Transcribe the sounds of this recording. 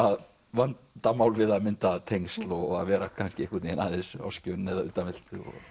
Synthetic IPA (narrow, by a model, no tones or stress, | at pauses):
að | vant̪amaːwlvɪðaðmɪnt̪at̪ʰejŋst̪lɔɔɣaðvɛːɾakʰanscɪehkvʏɾt̪iɛna̰ðesʏa̰wscʏnːɛðaʏ̰t̪amɪl̥t̪ʏ̰ɔ̰ɣ